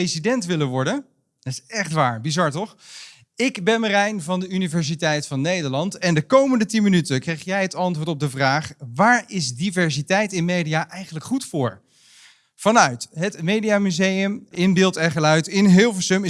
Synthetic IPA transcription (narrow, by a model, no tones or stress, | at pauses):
esidɛntʋɪləʋɔɹdən | d̥ɑtɪsɛχtʋaːɹbizɑɹtɔχ | ɪkbɛnmərɛjnvɑndəynivɛɹs̬itɛjtfɑnːejdəɹlɑntɛndəkowməndətinmənytəkrejχjɛjɦətɑntvʊːɹtɔb̚dəvraːχʋaːɹɪzdivɛɹsitɛjtɪnmejdiaʔɛjχənləkχutfʊːɹ | v̥ɑnœɥtɦətmejdijamyzejəmɪnbɪːlˠtɛχəlœɥtɪnɦɪːlˠvəsɵmɪ